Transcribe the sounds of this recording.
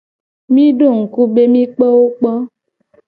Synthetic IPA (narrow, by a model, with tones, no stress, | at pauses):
mĩ˦ɖo˦˨ŋ̩˨ku˦be˦mĩ˦k͡pɔ˦wo˦k͡pɔ˦